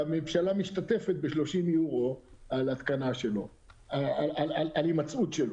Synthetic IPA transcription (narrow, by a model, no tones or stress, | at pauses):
amemvʃalamiʃt̪at̪e̞fet̪̚be̞ʃlo̞ʃimjuʁo̞alat̪kanaʃelo̞ | aalalalimat͡sut̪ʃelo